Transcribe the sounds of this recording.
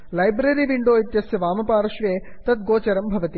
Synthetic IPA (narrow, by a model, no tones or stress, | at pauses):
lɐjbɾɐɾiːʋiɳɖoːit̪jɐsjɐʋaːmɐpaːɾɐʃʋeː | t̪ɐt̪̚ɡoːt͡ʃɐɾɐmbʱɐʋɐt̪i